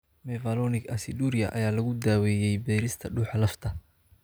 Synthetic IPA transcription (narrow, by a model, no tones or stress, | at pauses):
mɛvɐlɔnɪɡɐsɪd̪uːɾɪjɐ̰ʔɐ̰jaːlɐɣʊd̪aːwɛːjɛjbɛːɾɪst̪ʰɐɖuːħɑlɐft̪ʰɐ